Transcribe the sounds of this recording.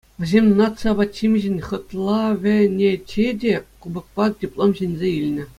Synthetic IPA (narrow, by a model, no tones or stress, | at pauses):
vʲɘ̆zʲemʲnɑt̪sɨɑbɑt͡ɕʲːimʲiʑɘ̆nʲχɤ̆t̪lˠɑʋʲɘ̆nʲet͡ɕʲʰedʲekubɤ̆k̚pɑdʲiplˠomʑinʲzʲeilʲnʲɘ̆